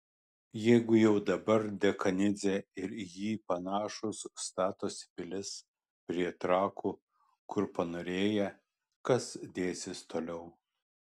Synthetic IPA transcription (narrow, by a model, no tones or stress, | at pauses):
jɛɪɡʊjɛʊd̪ɐbɐɾd̪ʲɛkɐnʲɪzʲɛɪɾjiːpɐnɑːʃʊsst̪ɑːt̪oːsʲɪ̥pʲɪlʲɪs | pʲɾʲiɛt̪ɾɑːkʰuː | kʊɾpɐnoːɾʲeːjɛ | kɐsd̪ʲeːsʲɪst̪oːlʲɛʊ